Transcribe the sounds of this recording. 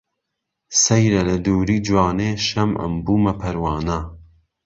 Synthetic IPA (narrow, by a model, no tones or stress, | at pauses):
sɐjɾɐlɐd̪uːɾiːd͡ʒwɑːneːʃɐmʔɐ̰mbuːmɐpʰɐɾwɑːna